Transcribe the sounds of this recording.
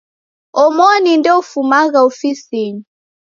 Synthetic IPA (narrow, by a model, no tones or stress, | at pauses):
ɔmɔnindɛɔfumaɣaɔfisiɲi